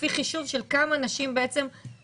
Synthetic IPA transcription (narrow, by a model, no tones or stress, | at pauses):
fiχiʃuvʃe̞lkamanaʃimbeet͡se̞m